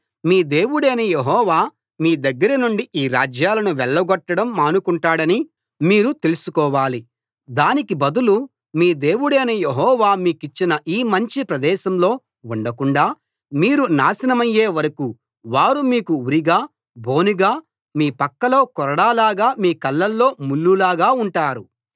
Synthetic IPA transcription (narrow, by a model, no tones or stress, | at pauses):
miːd̪e̞ːʋuɽeːnɐjeɦɔːʋaː | miːd̪ɐɡːɐɾɐnuɳɖiʔiːɾaːd͡ʒjaːlɐnuʋɛɭːɐɡɔʈːɐɽɐmːaːnukuɳʈaːɽɐni | miːɾut̪e̞lusukɔːʋaːli | d̪aːnikibɐd̪ulu | miːd̪e̞ːwuɽeːnɐjeɦɔːʋaːmiːkit͡ʃːinɐʔiːmɐɲt͡ʃipɾɐd̪ɛːʃɐmlo̞ː | uɳɖɐkuɳɖaː | miːɾunaːsɐnɐmɐjːe̞ːʋɐɾɐku | ʋaːɾumiːkuuɾiɡaː | bʱo̞ːnuɡaː | miːpɐkːɐlo̞ːkɔɾɐɽaːlaːɡaːmiːkɐlːɐlːo̞ːmulːulaːɡaːuɳʈaːɾu